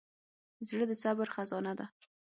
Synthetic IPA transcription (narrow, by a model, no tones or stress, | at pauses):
zɽəd̪əsabɾxazɑnad̪a